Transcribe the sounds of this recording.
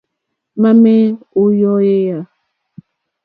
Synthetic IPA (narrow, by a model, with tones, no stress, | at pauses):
ma˦mɛ˦o˦jɔ˦je˦ja˨